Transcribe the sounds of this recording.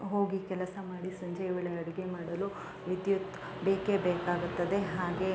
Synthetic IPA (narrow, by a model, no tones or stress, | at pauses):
ɦo̞ːɡikɛlɐsɐmaːɽisɐɲd͡ʒɐjɐʋɐɭeɐɽiɡemaːɽɐlu | ʋid̪jut̪ | beːkebeːkaːɡut̪ːɐd̪e̞ɦaːɡe